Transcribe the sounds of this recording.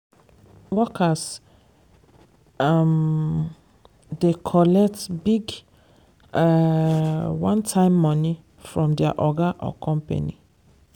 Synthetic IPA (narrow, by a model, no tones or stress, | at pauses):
wɔkʰas | m | dekʰɔlɛk̚tbiɡ | wãntʰãɪ̃mːɔni | fɹɔ̃mdɛaʔɔɡaʔɔ̰kʰɔ̃mpḛnḭ